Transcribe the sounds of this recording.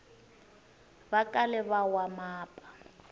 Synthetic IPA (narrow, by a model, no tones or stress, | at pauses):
bakʼalɛβawamaːpʼḁ